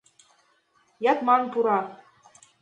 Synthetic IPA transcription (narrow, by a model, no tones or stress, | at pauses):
jɑt̪mɑnpuɾɑ